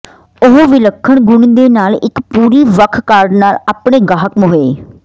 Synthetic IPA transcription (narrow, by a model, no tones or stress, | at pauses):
ʊɦʋɪləkʰːəɳɡʊɳd̪eːnaːlɪkpuːɾiːʋəkʰkaːɾɖnaːlaːpɽeːɡaːɦəkmɦoeː